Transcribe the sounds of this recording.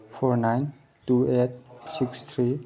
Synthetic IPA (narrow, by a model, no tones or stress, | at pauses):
fʰɔɾnajn | tuet̚sikst̪ʰɾi